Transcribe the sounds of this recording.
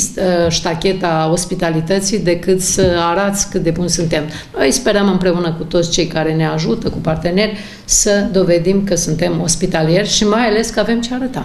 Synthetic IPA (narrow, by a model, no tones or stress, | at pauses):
st̪ʃt̪akʲe̞t̪ao̞spit̪alit̪ət̪sid̪e̞kɨt̪səaɾat̪sʲkɨt̪̚d̪e̞bunʲsunt̪e̞m | nojspe̞ɾəmɨmpɾe̞unəkut̪o̞t̪sʲt͡ʃe̞jkaɾe̞ne̞aʒut̪əkupart̪e̞ne̞rʲ | səd̪o̞ve̞d̪imkəsunt̪e̞mo̞spit̪alije̞rʲʃimajale̞skəave̞mt͡ʃeaɾət̪a